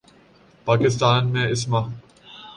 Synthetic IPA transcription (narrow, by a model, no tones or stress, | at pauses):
paːkɪst̪aːnmẽɪsma